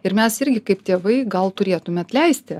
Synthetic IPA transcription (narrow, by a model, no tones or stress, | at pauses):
ɪɾmʲɛsɪɾʲɡʲɪkɐɪpt̪ʲeːʋɐɪɡɐlˠt̪ʊɾʲeːt̪ʊmʲɛɐt̪ʲlʲɛɪsʲt̪ʲɪ